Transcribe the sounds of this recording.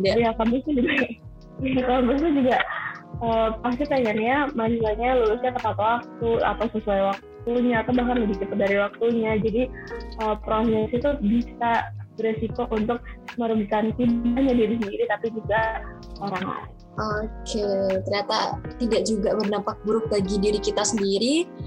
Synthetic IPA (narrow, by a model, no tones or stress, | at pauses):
dajakampʊst̪ud͡ʒuɡa | jakampʊst̪ud͡ʒuɡaəːpast̪it̪aŋanijamanisaɲaluɾʊsɲak̪əpat̪owak̚t̪ua̰t̪awsəsuajwak̚tt̪uɲaːt̪awbahkanləbikit̪adaɾiwak̚t̪uɲad͡ʒadiəpɾosɛsit̪ubisabəɾesikoʔunt̪ʊk̚məɾubikant̪ibbaɲadiɾisəndiɾit̪apid͡ʒuɡa | oɾaŋla̰ | ʔokʰet̪əɾrɲat̪a̰t̪idaʔd͡ʒuɡabərnampak̚buɾʊk̚baɡidiɾikit̪asəndiɾi